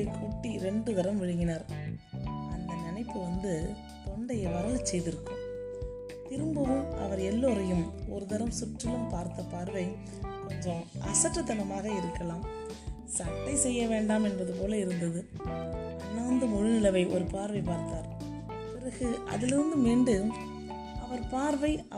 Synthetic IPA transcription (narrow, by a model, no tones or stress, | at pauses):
kʰuːʈːiɾɛɳɖɯðɐɾɐmʋɪɻɯŋɡɪnaːɾ | ɐnd̪ɐnɪnɐɪpːɯʋɐnd̪ɯ | p̪ɔɳɖɐjɐʋɐɾɐlsɛjðɪɾɯkːɯm | t̪ɪɾɯmbɐʋɯmʔɐ̰ʋɐɾɛlːoːɾɐjɯmɔ̰ɾɯðɐɾɐmsʊʈɾɪlɯmpaːɾt̪ɐpaːɾʋɐɪ | kɔɲd͡ʒɔ̃ʔɐ̰sɐʈːɐt̪ːɐnɐmaːɣɐɪɾɯkːɐlaːm | sɐʈːɐɪsɛjːɐʋeːɳɖaːmɛnbɐðɯp̬oːlɐɪɾɯnd̪ɐðɯ | ɐnːaːnd̪ɯmʊɻɯnɪlɐʋɐɪʔɔ̰ɾɯpaːɾʋɐɪpaːɾt̪aːɾ | pɪɾɐɣɯʔɐ̰ðɪlɪɾɯnd̪ɯmiːɳɖɯ | ɐʋɐɾpaːɾʋɐɪɐ